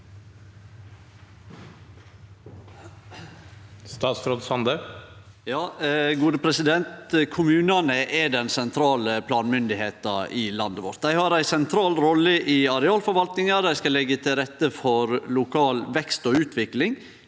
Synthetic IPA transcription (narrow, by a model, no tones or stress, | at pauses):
st̪ɑːt̪sɾoːd̪sɑnd̪ə | jɑːɡuːd̪əpʰɾɛsɪd̪ɛnt̪kʰʊmʉːnɑnəʔɛɖɛnsɛnt̪ʰɾɑːləpʰlɑːnmʏnd̪ɪheːt̪ɑɪlɑnd̪əʋɔ̰ɾt̪̚d̪æɪhɑɾæɪsɛnt̪ʰɾɑːlɾɔlːəʔɪɑɾɛɑːlfɔɾʋɑlt̪nɪŋɑd̪æɪskɑlɛɡːət̪ʰɪlɾɛt̪ːəfɔɾlʊkʰɑːlʋɛkst̪oːʉːt̪ʰʋɪklɪŋ